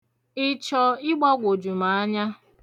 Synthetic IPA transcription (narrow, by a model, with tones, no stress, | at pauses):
ɪ˦t͡ʃɔ˨ɪ˦ɡ͡bɔ˦ɡʷo˨d͡ʒu˨ma˨a˦ɲa˦